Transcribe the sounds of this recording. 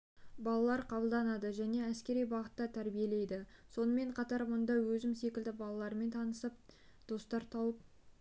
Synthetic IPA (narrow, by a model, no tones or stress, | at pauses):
bɑlˠɑlˠɑɾqʰɑbəlˠd̪ɑnɑd̪əʒæne̞æskʲe̞ɾijbɑʁət̪ːɑt̪ʰæɾbije̞le̞jd̪ɪso̞nəme̞ɴqʰɑt̪ɑɾmʊnd̪ɑwɵzɪmse̞kʲɪld̪ɪbɑlˠɑlˠɑɾme̞nt̪ʰɑnəsəp̚d̪̥o̞st̪ɑɾt̪ʰɑwəp̚